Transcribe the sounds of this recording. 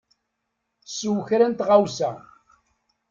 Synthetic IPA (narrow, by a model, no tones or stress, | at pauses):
swçɾænt̪ʁawsæ̰